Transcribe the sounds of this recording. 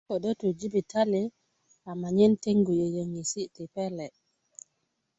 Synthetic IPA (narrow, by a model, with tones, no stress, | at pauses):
ko˨ɗo˦tu˨d͡ʒi˦bi˨ta˦li˦ | a˨ma˨ɲɛ˦nte˦ŋɡu˨je˨jə˨ŋi˨si˦ti˨pɛ˦lɛ˨